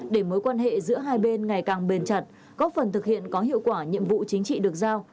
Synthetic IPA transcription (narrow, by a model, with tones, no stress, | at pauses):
ɗe˧˩məː˨˦jkwaː˧nhḛ˧˨zɨ̰˧˥əɦaː˧jɓe˧nŋa˨˩jkaː˨˩ŋɓe˨˩nt͡ɕa˨˩t̚ | kɔ˨˦˥fə˨˩nt̪ʰɨ˨˩k̚hḭ˧˨ənkɔ˨˦ɦḭ˧˨əwkwaː˧˩ɲḭ˧˨əmvṵ˧˨t͡ɕï˨˦ŋ̟t͡ɕḭ˧˨ɗɨ˨˩ək̚zaː˧w